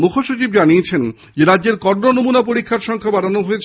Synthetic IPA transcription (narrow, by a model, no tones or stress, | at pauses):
mukʰoʃot͡ɕibd͡ʑaniet͡ɕʰen | d͡ʑeɾadːʑeɾkɔɾnonomunapoɾikʰːaɾʃɔŋkʰabaɾanoɦoet͡ɕʰ